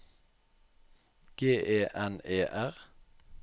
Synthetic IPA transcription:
ɡ̥eːʔeːʔɛneːʔæʁ

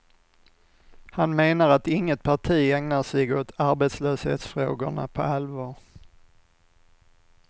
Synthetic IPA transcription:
hanmeːnaɾat̪ɪŋːət̪̚pʰaʈʰiːɛŋnaʂɛɡot̪ʰaɾbɛːt̪sløːshḛːt̪sfɾoːɡʊɳa̰pʰɔ̰alvɑːɾ

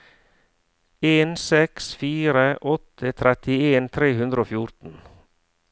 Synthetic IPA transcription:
eːnsɛksfiːɾəʔɔt̪ʰət̪ʰɾɛt̪ɪeːnt̪ʰɾeːhʉnd̪ɾəoːfjʊɾt̪n̩

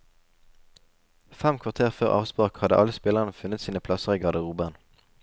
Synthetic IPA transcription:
fɛmkʰʋɑʁt̪ʰeːʁføːʁʔɑ̰ːʋspʁɑːkhɑd̪ə̰ʔɑləspɪləʁənəfʉnət̪siːnəpʰlɑsəʁiːɡɑd̪əʁuːbæːʁn

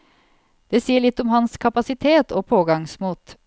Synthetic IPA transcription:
d̪̥eːsiːəɭɪt̪ːɔmhɑnskʰɑpɑsɪt̪ʰeːt̪ʰoːpʰoːɡɑŋsmuːt̪

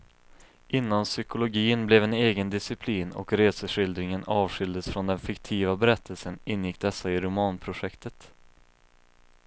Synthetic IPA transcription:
ʔɪnːansʏkʊlʊɡiːənblɛvɛneːɡənd̪ɪsɪpʰliːnɔ̰kɾeːsəʂɪld̪ɾɪŋənɑːvɧʏld̪əsfɾɔnd̪ɛnfɪkt̪ʰiːvabɛɾɛt̪ʰːəlsənɪnːjɪk̚ːd̪ɛsːaɪɾʊmɑːnpʰɾʊʂɛkt̪ʰət̪

